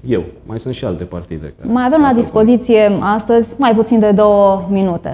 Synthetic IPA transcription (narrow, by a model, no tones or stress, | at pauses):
jewmajsɨnt̪ʃialt̪e̞part̪ḭd̪ḛmajave̞mlad̪ispo̞zit̪sije̞ast̪əzʲmajput̪sind̪e̞d̪o̞wəminut̪e̞̰